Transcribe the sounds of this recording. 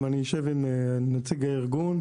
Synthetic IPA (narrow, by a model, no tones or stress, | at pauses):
anijoʃevimnat͡siɡaiʁɡun